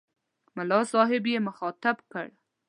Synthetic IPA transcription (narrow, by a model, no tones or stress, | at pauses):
mʊlɑsɑɦɪbjemʊxɑt̪abkə̰ɽ